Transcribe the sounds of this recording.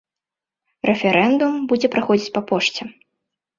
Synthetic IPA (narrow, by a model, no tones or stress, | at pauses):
rɛfʲɛɾʔɛnd̪umbud͡zʲɛpɾaxɔd͡zʲit͡sʲpapɔʂt͡sʲɛ